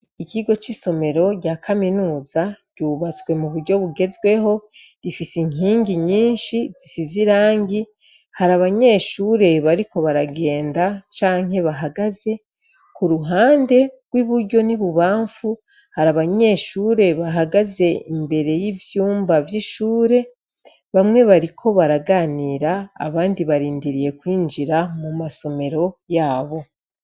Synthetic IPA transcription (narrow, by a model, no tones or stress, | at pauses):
iciɡo̞t͡ʃiso̞me̞ɾo̞ɟaːkʰaminuːzaɟ̥uːβat͡swe̞muβuɾɟo̞βuɡe̞zɡwe̞ho̞ | ɾifisiŋiːɲɟiɲiːnʃiz̥isiziɾaːŋɡi | haɾaβaɲe̞ːʃuːɾe̞βaɾiko̞βaɾaɡe̞ːndat͡ʃaːŋ̥he̞βaɦaɡaze̞ | kuɾuɦaːnde̞ɡ̥wiβuɾɟo̞niβuβaːɱfu | haɾaβaɲe̞ʃuɾe̞βaɦaɡaze̞imbe̞ɾe̞jivjuːmbavjiʃuːɾe̞ | βamŋe̞βaɾikʰo̞βaɾaɡaːniːɾa̰ːβaːndiβaɾiːndiɾije̞kwiːnd͡ʒiɾamumaso̞me̞ɾo̞jaːβo̞